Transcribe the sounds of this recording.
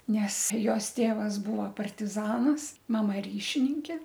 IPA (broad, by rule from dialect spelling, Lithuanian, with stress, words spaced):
ˈnʲɛs ˈjoːs ˈtʲeːʋɐs ˈbʊʋoː pɐrʲtʲɪˈzɑːnɐs mɐˈmɐ ˈrʲiːʃʲɪnʲɪŋʲkʲeː